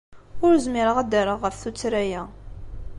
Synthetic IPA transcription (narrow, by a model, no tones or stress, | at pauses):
ʊɾzmiɾəʁæd̪aɾəʁːəfθut͡sːɾæjæ